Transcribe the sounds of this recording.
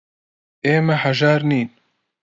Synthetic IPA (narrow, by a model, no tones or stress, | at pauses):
eːmɐhɐʒaːɾniːn